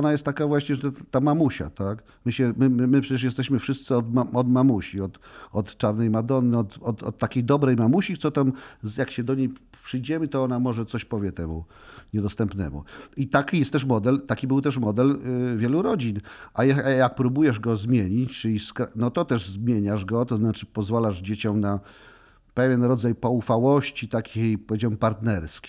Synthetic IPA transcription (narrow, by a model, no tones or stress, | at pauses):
ɔnajɛst̪t̪ːakavwaɕɲɛʐɛt̪ːamamuɕa̰t̪ak | mɘɕɛmɘmmɘpʂɛt͡ɕɛʂ̬jɛst̪ɛɕmɘfʂɘst̪sɘɔd̪maɔd̪mamuɕiɔt̪ɔt̪t͡ʂaɾnɛjmad̪ɔnːɘɔt̪ɔt̪ɔ̰t̪ːakʲejd̪ɔbɾɛjmamuɕiktsɔt̪amjakɕɛd̪ɔɲejpʂɘjd͡ʑɛmɘt̪ɔɔnamɔʐɛt̪sɔɕpɔvʲjɛt̪ɛmṵ | ɲɛd̪ɔst̪ɛmpnɛ̰mṵit̪akʲijɛst̪ɛʂmɔd̪ɛlt̪akʲibɘwt̪ɛʂmɔd̪ɛlvʲjɛluɾɔd͡ʑinʔajɛjak̚pɾubujɛʐɡɔzmʲjeɲit͡ɕt͡ʂɘiskɾanɔt̪ɔt̪ɛʐzmʲjeɲaʐɡɔt̪ɔznat͡ʂɘ̥pɔzvalaʐd͡ʑet͡ɕɔmna | pɛvʲjɛnɾɔd̪zajpɔufawɔɕt͡ɕit̪akʲʰejpɔvʲjed͡ʑawɛmpaɾt̪nɛɾskʲi